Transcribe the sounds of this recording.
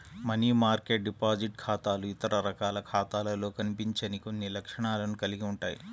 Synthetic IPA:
mɐniːmaːɾkeʈ̚ɖipaːd͡ʒiʈ̚kʰaːt̪aːluit̪ɐɾɐɾɐkaːlɐkʰaːt̪aːlɐlo̞ːkɐnipiɲt͡ʃɐniko̞nːilɐkʂɐɳaːlɐnukɐliɡiuɳʈaːjḭ

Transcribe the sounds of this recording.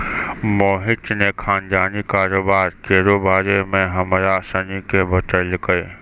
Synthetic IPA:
moːɦɪʈnẽkʰaːnd͡ʒaːnikaːɾoːbaːɾkeːɾoːbaːɾemẽɦɐmɾasanikʰebʱət̪əlkɐeː

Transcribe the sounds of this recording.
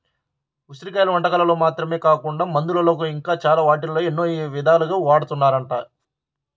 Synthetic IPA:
usɾikɐjlɐʋɐɳʈɐkɐlɐlo̞ːmaːt̪ɾɐme̞ːkaːkuɳɖaːmɐnd̪ulɐlo̞ːk̬uiŋkaːt͡ʃaːlaːʋaːʈ̬ilɐloːenːoːiʋid̪ʱaːluɡaːʋaːɽut̪unːaːɾɐɳʈaː

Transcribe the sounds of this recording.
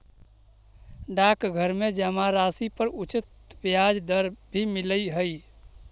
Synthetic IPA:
ɖakɡʱəɾmed͡ʒəmaɾasipəɾut͡ʃɪt̪ | bjad͡ʒd̪əɾbʱimiləjɦəj

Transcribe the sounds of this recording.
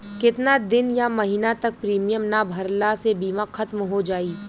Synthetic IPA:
kɪt̪nad̪ɪnjamɐɦiːnat̪ɐk̚pɾiːmijəmnabʱɐɾlasebiːmaxʰɐt̪mɦod͡ʒaːiː

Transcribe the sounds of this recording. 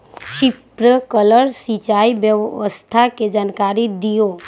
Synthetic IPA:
ʃɪpɾəkələɾsit͡ʃaiʋjəʋʋəst̪ʰaked͡ʒaːnkaɾid̪ijo

